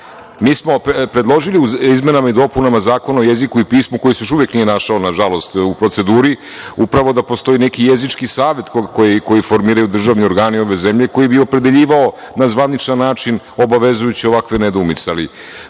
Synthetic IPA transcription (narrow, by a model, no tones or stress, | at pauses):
miːsmo̞ppɾe̞d̪lˠo̞ʒiliuizme̞namaid̪o̞punamazaːko̞naojezikuipiːsmuko̞jisejoʃ̬uʋjeknije̞naʃaonaʒalˠo̞st̪upɾo̞t̪se̞d̪uːɾi | upɾaʋo̞d̪apost̪o̞inekijezit͡ʃkisaːʋe̞t̪kojiko̞jifo̞ɾmiːɾajud̪r̩ʒaʋnio̞ɾɡaːnio̞ʋe̞ze̞mʎe̞ko̞jibio̞pɾe̞d̪eʎiːʋao̞ | nazʋanit͡ʃnannaːt͡ʃin | o̞baʋe̞zujut͡ɕio̞ʋakʋe̞ned̪uumit̪seali